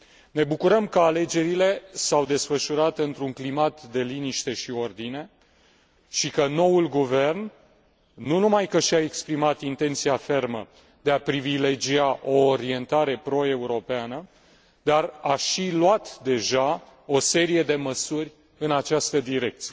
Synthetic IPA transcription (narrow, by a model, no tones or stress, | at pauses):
ne̞bukuɾəmkəale̞d͡ʒe̞ɾile̞sawd̪e̞sfəʃuɾat̪ɨnt̪ɾuŋklimat̪d̪e̞liniʃt̪e̞ʃio̞rd̪ine̞ | ʃikəno̞ulɡuve̞rnː | unumajkəʃiae̞kspɾimat̪int̪e̞nt̪siafe̞rmə | d̪e̞apɾivile̞d͡ʒiaʔo̞ːɾie̞nt̪aɾe̞pɾo̞e̞uɾo̞peanə | d̪araʃilwat̪d̪e̞ʒa | o̞se̞ɾije̞d̪e̞məsurʲ | ɨnat͡ʃast̪əd̪iɾe̞k̚t̪sije